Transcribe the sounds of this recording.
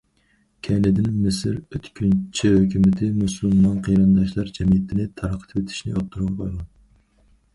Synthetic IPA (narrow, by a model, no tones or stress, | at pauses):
kʲʰɛnɪd̪ɪnmɪsɪɾøt̪kʲʰynt͡ʃʰihøkʲʰymɪt̪ʰɪmusulˠmɑnqʰijɾɨnd̪ɑʃlˠɑɾd͡ʒɛmijɪt̪ʰɪnɪt̪ʰɑɾqʰə̥t̪ʰpet̪ʰɪ̥ʃnɪ̰ot̪ʰːuɾʁɑnqʰojlɑn